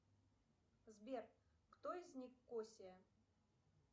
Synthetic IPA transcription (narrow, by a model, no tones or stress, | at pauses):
zbʲer | kt̪oizʲnʲixkosʲe